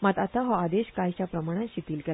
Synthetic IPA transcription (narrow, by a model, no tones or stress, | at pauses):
mat̪at̪aɦɔad̪eɕkajt͡ɕapɾəmaɽ̃ãɕit̪iːlkɛl